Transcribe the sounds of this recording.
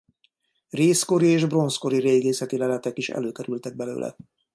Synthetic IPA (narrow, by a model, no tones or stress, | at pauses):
reːsko̞ɾieːʒbro̞nsko̞ɾiɾeːɡeːsɛt̪ilɛlɛt̪ɛkiʃɛ̰løːkɛɾylt̪ɛɡ̚bɛlø̰ːlʔɛ̰